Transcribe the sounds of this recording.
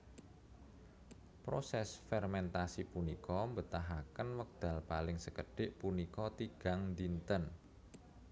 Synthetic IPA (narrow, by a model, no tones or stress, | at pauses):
pɾosɛsfɛrmɛnt̪asipunikɔmbət̪aɦakənwək̚d̪̥a̤lpalɪŋsəkəɖ̥ɪʔpunikɔt̪iɡ̥a̤ŋnd̪int̪ən